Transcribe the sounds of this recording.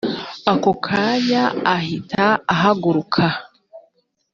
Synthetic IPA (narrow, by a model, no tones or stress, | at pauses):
akokʰajaːhitʰaːɦaɡuɾukʰa